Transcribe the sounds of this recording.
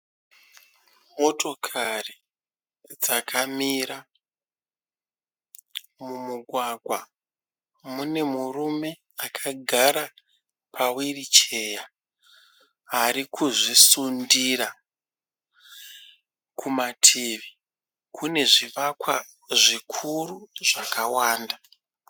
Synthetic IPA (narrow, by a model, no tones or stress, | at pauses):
mo̞to̞kʰari | d͡zakʰamiɾa | mumuɡʱwaɡʱwa | mune̞murume̞ | akʰaɡʱaɾa | pʰawirit͡ʃe̞ja | ɦaɾikʰuʐisundira | kʰumatʰeʋi | kʰune̞ʐiʋakwa | ʐikʰuruʐakawaːnda